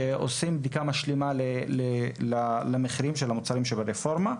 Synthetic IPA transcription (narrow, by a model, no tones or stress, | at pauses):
o̰simbd̪ikamaʃlimalelelalameχiɾimʃelamut͡saɾimʃebaɾefo̞ɾma